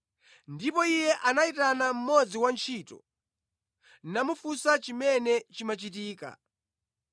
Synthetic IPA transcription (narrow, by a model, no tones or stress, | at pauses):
ndipɔijɛʔanaitanam̩mɔd͡ziwant͡ʃʰitɔ̰ | nnamufusat͡ʃimɛnɛt͡ʃimat͡ʃitiːka̰